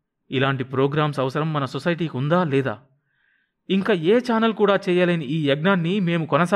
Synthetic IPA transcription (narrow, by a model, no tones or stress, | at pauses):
ilaːɳʈipɾoːɡɾaːmsɐʋɐsɐɾɐmːɐnɐsɔsɐjʈ̬iːkund̪aːlɛːd̪a̰ː | iŋkaːeːt͡ʃaːnɐlkuːɽaːt͡ʃɛːjaːlɐniiːɐɡnaːnːime̞ːmukɔnɐsa